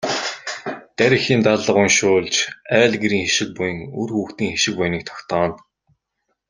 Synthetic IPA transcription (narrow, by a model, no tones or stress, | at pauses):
t̪æɾʲɪ̆xiːnt̪aɮə̆ʁʊŋʃʊːɮt͡ɕæːɮɡeɾiːŋxeʃɪ̆k̚pʊjɘ̆ŋurxuːxt̪iːŋxeʃɪ̆k̚pʊjniːk̚t̪ʰɔ̥kt̪ɔːn